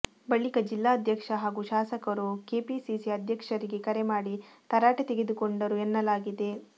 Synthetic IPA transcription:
bɐɭikɐd͡ʒilːaːɐd̪ʱjɐkʂɐɦaːɡuʃaːsɐkɐɾuke̞ːpisisiɐd̪ʱjɐkʂɐɾiɡe̞kɐɾemaːɽit̪ɐɾaːʈet̪eɡe̞d̪uko̞ɳɖɐɾuenːɐlaːɡid̪e̞

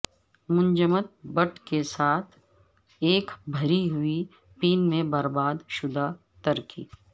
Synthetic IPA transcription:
mʊ̃nd͡ʒəmət̪̚bəʈkesaːt̪ʰ | eːkbʱɐɾiɦʊi | piːnmẽbɐɾbaːd̪ʃʊd̪a | t̪əɾkḭː

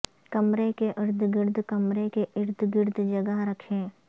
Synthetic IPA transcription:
kɐmɾekeʔɪɾd̪ʱɡɪɾd̪ʱkɐmɾekeʔɪɾd̪ʱɡɪɾd̪ʱd͡ʒɐɡəɦɾɐkʰẽː

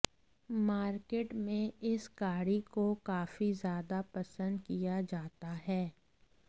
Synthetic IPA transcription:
maːɾkeːʈmẽɪsɡaːɽikokaːfizjaːd̪apɐsə̃nd̪kijad͡ʒaːt̪aɦɛː

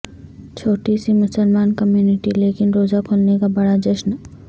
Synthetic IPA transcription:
t͡ʃʰoːʈisimʊsəlmaːnkɐmjuːnɪʈileːkɪnɾoːzakʰʊlnekabɐɽad͡ʒɐʃn

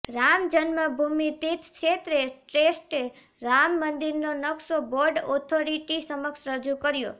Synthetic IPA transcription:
ɾamd͡ʒənməbʱumit̪it̪kʃet̪ɾeʈɾesʈe | ɾamːənd̪iɾnonəksoboɾɖɔt̪ʰoɾiʈisəməkʃɾəd͡ʒukəɾjo̰

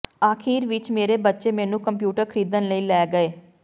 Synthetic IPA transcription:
aːkʰiːɾʋɪt͡ʃmeːɾeːbətːʃeːmɛ̃ːnũːkəmpjuːʈəɾkʰəɾiːd̪ənləiːlɛːɡəeː

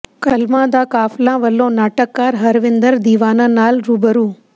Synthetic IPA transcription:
kɐlmãːd̪aːkaːflãːʋɐlːõːnaːʈəkːaːɾɦɐɾʋɪ̃nd̪əɾd̪iːʋaːnãːnaːlɾuːbəɾuː

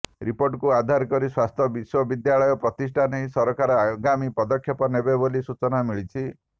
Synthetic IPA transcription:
ɾipoɾʈkuad̪ʱaɾkɔɾiswast̪ʰɔbiswɔbid̪jaɭɔjɔpɾɔt̪isʈʰanejsɔɾɔkaɾɔaɡamipɔd̪ɔkʰːjɔpɔnebebolisut͡ʃɔnamiɭit͡ʃʰi

